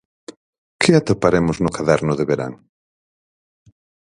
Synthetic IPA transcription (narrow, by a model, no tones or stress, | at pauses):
kʰɪat̪apaɾemʊznʊkaðɛɾnʊðɪβeɾa̰ŋ